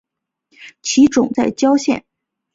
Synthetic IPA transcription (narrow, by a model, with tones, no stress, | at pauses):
t͡ɕʰi˧˥ʈ͡ʂʊ˨˩ŋt͡sa˥˩ɪt͡ɕjɑ˥ʊɕjɛ̰˥˩n